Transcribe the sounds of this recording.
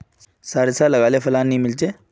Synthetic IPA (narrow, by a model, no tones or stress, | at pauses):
saɾsaləɡalefəlanːiːmilt͡ɕe